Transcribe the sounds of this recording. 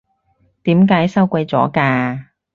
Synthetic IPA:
t̪iː˨˥mkaː˨˥jsɐ˥wkʷɐ˧jt͡sɔː˨˥kaː˧

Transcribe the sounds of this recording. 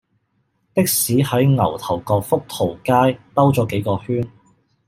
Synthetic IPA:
t̪ɪ˥k̚siː˨˥hɐ˨˥jŋɐ˨˩wt̪ʰɐ˨˩wkɔː˧k̚fʊ˥k̚t̪ʰo˨˩wkaː˥jt̪ɐ˥wt͡sɔː˨˥ke˨˥jkɔː˧hyː˥n

